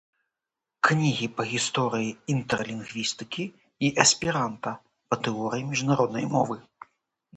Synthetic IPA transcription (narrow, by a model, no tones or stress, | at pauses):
knʲiɣʲipɐɣʲist̪ɔɾɨjiint̪rɐlʲinɣvʲist̪ɨ̥kʲiː | ʔɐsʲpʲiɾant̪ɐ | pɐt̪ɨɔɾʲɨjimʲiʐnaɾɔd̪nɐ̰jmɔvɨ